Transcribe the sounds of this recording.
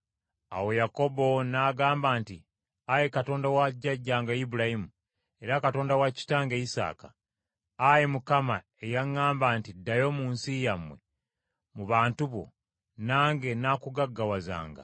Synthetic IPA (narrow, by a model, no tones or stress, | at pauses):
a̰wo̞jako̞bo̞naːɡaːmbaːnti | ajekato̞ːndawaɟːaɟːaːŋɡaibuɾahimu | e̞ɾakato̞ːndawaci̥taːŋɡeisa̰ːkaː | jemukama | ejaŋːaːmbaːntidːajo̞muːnsijamwe̞̰ | muβaːntuβo̞̰ | naːŋɡe̞naːkuɡaɡːawaza̰ːŋɡa̰